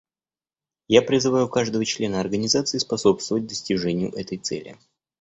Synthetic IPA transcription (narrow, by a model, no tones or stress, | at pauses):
japɾʲɪzɨvajʊkaʐd̪əvət͡ɕlʲe̞nəɐrɡənʲɪzat̪sɨɪspɐso̞pst̪vəvət̚ʲd̪əsʲtʲɪʐɛnʲɪjʊ̰ʔɛt̪əjt̪sɛ̰lʲɪ̰